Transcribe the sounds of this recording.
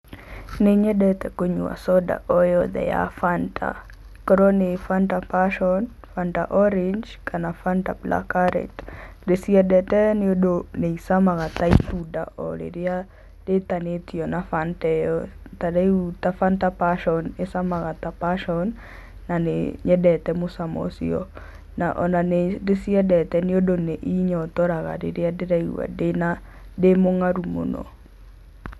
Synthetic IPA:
nɪɲɛdɛt̪ɛkoɲṵa̰sɔda̰ʔɔjɔd̪ɛ̰ja̰fantʰa̰ | kɔɾonɪfantapaʃɔn | fantaʔɔɾɪɲd͡ʒkanafantablʔa̰kaɾɛ̰t | desiɛdɛtɛnɪodoneisamaɣat̪ait̪uda̰ʔɔ̰lḛɾɪa | d̥etanetiɔnafantɛjɔtaɾaiutafantapaʃɔnesamaɣatapaʃɔnː | anḛɲɛdɛtɛmosamɔ̰sḭɔ̰ | na̰ʔɔ̰nanedesiɛdɛtɛneodoneʔiɲɔtɔɾaɣa̰ɾḛɾeadeɾaiṵa̰dena | demoŋaɾumo̰nɔ̰

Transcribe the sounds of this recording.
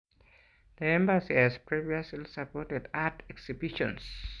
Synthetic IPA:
ð̥iɛ̃mbasihazpɹiviaslisapɔtɛdatɛksibiʃɔ̰̃ns

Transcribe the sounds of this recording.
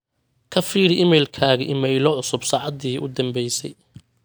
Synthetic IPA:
kʰɐfiːɽɪʔɪmɛjlkʰaːɣɐʔɪmɛjlɔʕʊsʊbsɑːʕɑd̪iːʔʊ̰d̪ɐmbɛjsɛ̰j

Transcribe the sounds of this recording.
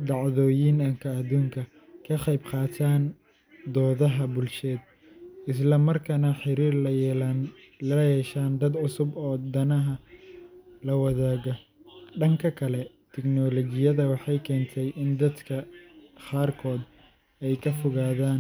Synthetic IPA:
d̪ɑʕðɔːjiːnɐŋkʰɐːd̪uːŋkʰɐ | kʰɐqɑjbqɑːt̪ʰaːn | d̪ɔːðɐɦɐbʊlʃɛːd̪̚ | ɪs̬lɐmɐrkʰɐnɐħɪɾiːrn | ɐjɛːʃaːnd̪ɐd̪ʕʊsʊbɔːd̪ɐnɐɦɐ | lɐwɑðaːɣɔ | ɖɐŋkʰɐkʰɐlɛ | t̪ʰɪɡnɔːlɔːɣɪjɐðɐwɑħɑjkʰɛːnt̪ʰɛjʔɪnd̪ɐd̪kʰɐqaːrkʰɔːd̪ | ɛjkʰɐfʊɣaːðaːn

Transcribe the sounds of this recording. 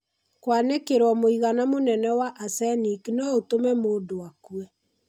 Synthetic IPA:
kwanekeɾwɔmoiɣanamonɛnɛwaʔasɛniknɔotomɛmodoakuɛ

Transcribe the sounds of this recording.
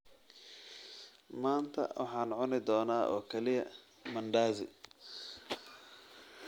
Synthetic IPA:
maːnt̪ʰɐ̰wʔɑ̰ħɑːnʕʊnɪd̪ɔːnaːʔɔ̰ːkʰɐlɪjɐ̰ | mɐɳɖaːzɪ̰

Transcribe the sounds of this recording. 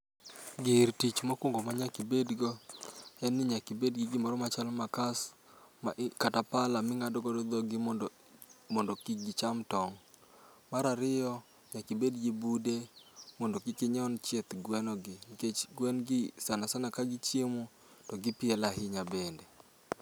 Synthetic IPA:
ɡɪɾtit͡ʃmakwoŋɡomaɲakɪbedɡoɛnːɪɲakɪbedɡɪɡɪmɔɾɔmat͡ʃalmakas | maʔkatapalamɪŋadɔɡɔdɔd̪ɔɡɪ | mɔndɔkiɡɪt͡ʃamtɔŋ | maɾaɾɪɔ | ɲakɪbedɡibudemɔndokɪkɪɲɔnt͡ʃjet̪ɡwɛnɔɡɪɡwɛnɡɪsanasanakaɡɪt͡ʃjemo | tɔɡɪpɪɛlaɦɪɲabende

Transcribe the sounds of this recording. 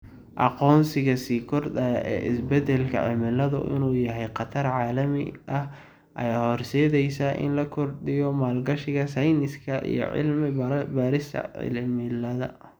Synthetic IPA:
ʔɑqɔːnsɪɣɐsiːkʰɔrd̪ɐɛ̰ːʔɪsbɛd̪ɛlkʰɐ̰ʕɪmɪlɐðʊ̰ʔɪ̰nuːjɐɦɛjqɑt̪ʰɐrʕaːlɐmɪ̰ʔɐh | ʔɐ̰jaːhɔrsɛːðɛjsɐʔɪ̰nlɐkʰɔrd̪ɪjɔmaːlɡɐʃɪɣɐsɐjnɪskʰɐʔḭjɔ̰ʕɪ̰lmɪbaːɾɪst̪ʰɐ̰ʕɪ̰lmɪlɐðɐ

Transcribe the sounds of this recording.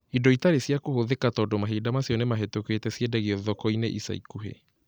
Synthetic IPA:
idɔitaɾesjakohoðekatɔdɔmaɦeːdamasjɔnemaɦetokwetɛsjedɛɣeɔðɔkɔineʔisa̰ikuɦḛ

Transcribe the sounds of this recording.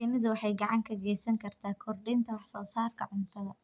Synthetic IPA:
ɪnɪðʊwɑħɑjɡɑʕɑŋkʰɐɡɛːsɐŋkʰɐrt̪ʰaːkʰɔrɖint̪ʰɐwɑħsɔːsaːrkʰɐʕʊnt̪ʰɐðɐ

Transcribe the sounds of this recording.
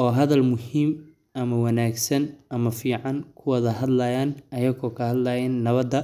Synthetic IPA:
ɔːɦɐðɐlmʊhiːm | ʔɐmɐwɑnaːɡsɐnʔɐmɐfiːʕɑŋkʰʊwɐðɐɦɐd̪lɐjaːnɐjɐɣɔːkʰɐhɐd̪lɐjɐnːɐβɐd̪ɐ

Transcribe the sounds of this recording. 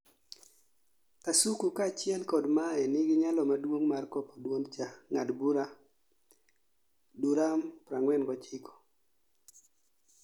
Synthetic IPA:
tasukukat͡ʃɪɛlkɔdmaɛnɪɡɪɲalɔmadwoŋmarkɔpɔdwont͡ʃaŋadbuɾa | duɾampɾaŋwɛnɡɔt͡ʃɪkɔ̥

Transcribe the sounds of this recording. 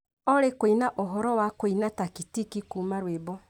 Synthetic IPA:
ɔɾekoinaʔoɦɔɾɔwakoinatakitikikumaɾwebɔ

